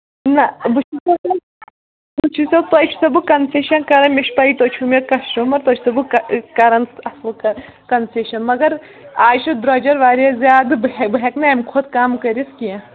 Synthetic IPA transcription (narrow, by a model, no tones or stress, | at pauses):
nɐbut͡ʃʰisɐɐ | but͡ʃʰisɐt̪ot͡ʃʰsɐbukɐnseʃɐnkɐɾɐnmʲeʃpɐit̪ot͡ʃʰumekɐsʈumɐɾt̪ot͡ʃʰsɐbukkɐɾɐnsɐslkɐ | kɐnseʃɐnmɐɡɐɾ | aːʃʰud̪ɾɐd͡ʒɐɾʋaːɾezʲjaːd̪bbɦʲeknɐɐmkʰod̪̚kaːmkɐɾʲiskʲijɐ̃